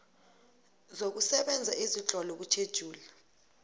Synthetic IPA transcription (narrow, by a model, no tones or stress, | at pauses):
zok̬usɛɓɛnd͡zʱaʔizit͡ɬɔlɔk̬ut͡ʃʰed̥ʒ̥ʱuːla